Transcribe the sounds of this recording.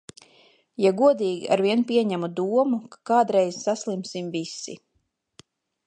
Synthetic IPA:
jaɡuɔd̪iːɡḭʔa̰ɾviɛnpʲiɛɲæmud̪uɔmukḁkaːd̪ɾɛjz̥saslˠimsimvisi

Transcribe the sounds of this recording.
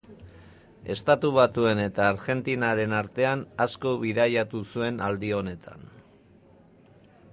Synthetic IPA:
e̞st̪at̪uβ̞at̪ue̞ne̞t̪aːɾɣe̞nt̪inaɾe̞naɾt̪e̞anasko̞βiðajat̪usue̞nald̪io̞ne̞t̪ʰa̰n

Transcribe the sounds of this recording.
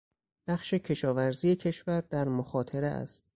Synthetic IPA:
b̥æχʃe̞cʰe̞ʃɒːvæɾziːjecʰe̞ʃvæɾd̪æɾmoxɒːt̪ʰe̞ɾeʔæ̰st̪

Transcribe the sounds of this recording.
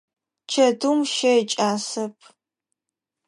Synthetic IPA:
t͡ʃʰɐdumʃɐjt͡ʃʼaːsɐpʰ

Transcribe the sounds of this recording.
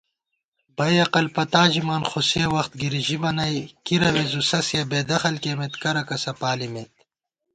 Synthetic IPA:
b̥ɐjɐqɐlpɐt̪aːʑimaːnxusewɐxt̪̚ɡiɾiʑimɐnɐjkiɾɐwezusɐsjabeːd̪ɐxɐlkeːmet̪kɐɾɐkɐsɐpaːlimet̪̚

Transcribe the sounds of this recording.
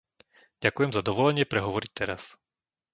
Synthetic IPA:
ɟ̥akujɛmzad̪ɔʋɔlɛɲɪɛpɾɛɦɔʋɔɾic̚t̪ɛɾas

